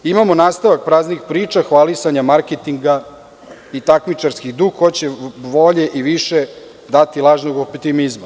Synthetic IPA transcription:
imamonaːst̪aʋak̚pɾaːznixpɾiːt͡ʃaxʋalisaɲamaɾket̪iŋɡa | it̪akmit͡ʂaɾskiɣd̪uɡxot͡ɕeʋoʎeʔiʋiʃe | d̪at̪ilˠaːʒnoɡopt̪imizma

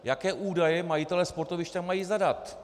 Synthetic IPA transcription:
jakɛːʔuːdajɛmajɪt̪ɛlɛspo̞ɾt̪ovɪʃt̪amːajiːzadat̪

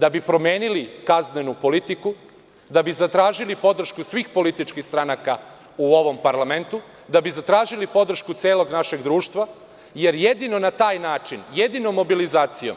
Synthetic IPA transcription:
d̪abipɾo̞mjeːnilikaznenupo̞lit̪iku | d̪abizat̪ɾaːʒilipo̞d̪r̩ʃkusʋiːxpo̞lit̪it͡ʃkixst̪ɾanaka | uo̞ʋo̞mpaɾlament̪u | d̪abizat̪ɾaːʒilipo̞d̪r̩ʃkut̪seːlˠo̞ɡnaʃe̞ɡd̪ɾuːʃt̪ʋa | je̞ɾje̞d̪ino̞nat̪aːjnaːt͡ʃinjed̪ino̞mːo̞bilizaːt̪sijom

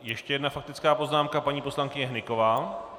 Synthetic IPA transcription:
jɛʃcɛjɛdnafak̚t̪ɪt͡skaːpo̞znaːmkapaɲiːpo̞slaŋkɪɲɛɦnɪko̞vaː

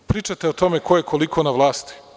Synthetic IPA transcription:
pɾiːt͡ʃat̪eot̪o̞mekojekʰo̞likʰonaʋlˠaːst̪i̥

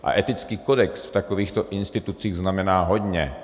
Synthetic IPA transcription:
ʔa̰ʔɛt̪ɪt͡skiːko̞dɛksft̪akoviːxt̪oʔɪnst̪ɪt̪ut͡siːɣznamɛnaːɦo̞dɲɛ

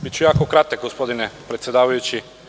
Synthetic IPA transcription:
bit͡ʃujakokɾat̪ɛk̚ɡospod̪inɛpɾɛt̪sʲɛd̪aʋajut͡ʃi

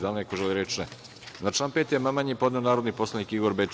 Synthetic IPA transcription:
d̪alnekoʒeliɾet͡ʃnɛ | nat͡ʃaːnpet̪jemamaɲipo̞d̪neonaːɾod̪nipo̞slˠanikiɡoɾbet͡ʃ

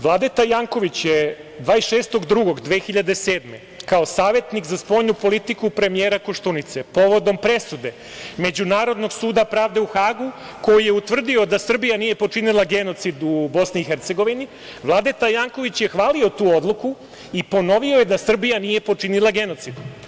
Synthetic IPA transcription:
ʋlˠaːd̪et̪ajaŋko̞ʋit͡ɕje | d̪ʋaːisʃeːst̪o̞ɡd̪ɾuɡo̞ɡd̪ʋe̞ːxiʎad̪e̞seːd̪me̞ | kaosaːʋe̞t̪nikzaspo̞jɲupo̞lit̪ikupɾe̞mijeːɾakoʃt̪unit̪se̞po̞ʋo̞d̪o̞mpɾe̞sud̪e̞ | me̞d͡ʑunaːɾo̞d̪no̞ɡsuːd̪apɾaːʋd̪e̞uxaːɡuko̞jije̞ut̪ʋr̩d̪io̞d̪asr̩bijanije̞pot͡ʂinilˠaɡe̞no̞t̪sid̪ubo̞sniːxeɾt̪se̞ɡo̞ʋini | ʋlˠaːd̪et̪ajaːŋko̞ʋit͡ɕje̞xʋaːlio̞t̪uːo̞d̪lˠuku | ipo̞no̞ʋio̞je̞d̪asr̩bijanije̞po̞t͡ʂinilˠaɡe̞no̞t̪sid̪

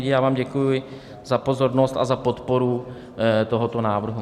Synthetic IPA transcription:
ɟɪjaːvaːmɟɛkujʊɪ | zapo̞zo̞ɾnost̪a̰zapo̞t̪po̞ɾu | t̪o̞ɦot̪o̞naːvr̩ɦu

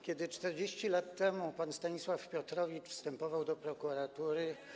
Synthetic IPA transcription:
kʲɛd̪ɘt͡ʂt̪ɛɾd͡ʑeɕt͡ɕilat̪ːɛmupanst̪aɲiswafpʲjɔt̪ɾɔvʲit͡ʂfst̪ɛmpɔvawd̪ɔpɾɔkuɾat̪uɾɘ

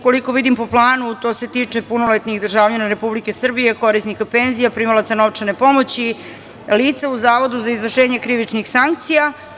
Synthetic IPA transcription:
ko̞liko̞ʋid̪impo̞plˠaːnut̪o̞ːset̪iːt͡ʂe̞punolet̪niɣd̪r̩ʒaːʋʎanaɾe̞publike̞sr̩bije̞ko̞ɾisnikapenzijapɾimalat̪sanoʋt͡ʂenepo̞mo̞t͡ɕi | liːt̪sauzaːʋo̞d̪uzaizʋr̩ʃeːɲe̞kɾiʋit͡ʂnixsaŋk̚t̪sija

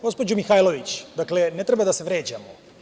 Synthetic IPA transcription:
ɡo̞spo̞d͡ʑumixaːjlˠoʋit͡ɕd̪aklenet̪ɾebad̪aseʋɾeːd͡ʑamo

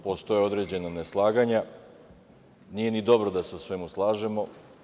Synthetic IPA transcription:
post̪o̞jeo̞d̪ɾe̞d͡ʑe̞naneslˠaːɡaɲa | niːjenid̪o̞bɾod̪aseusʋemuslˠaːʒe̞mo̞

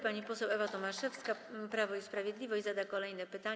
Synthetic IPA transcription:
paɲipɔsɛwɛvat̪ɔmaʂɛfskapɾavɔispɾavʲjed̪lʲivɔʑd͡ʑʲzad̪akɔlɛjnɛpɘt̪a

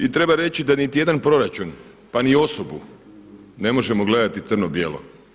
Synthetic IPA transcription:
it̪ɾe̞baɾe̞t͡ɕid̪anit̪ijed̪anpɾo̞ɾat͡ʃun | panio̞sobu | ne̞mo̞ʒe̞moɡle̞d̪at̪it̪sr̩nobjḛːlo̰

